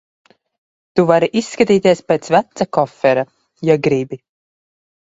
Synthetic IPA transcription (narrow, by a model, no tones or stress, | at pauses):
t̪uvaɾiʔisːkat̪iːt̪iɛspeːt̪svæt̪sakɔfɛɾa | jaɡɾibi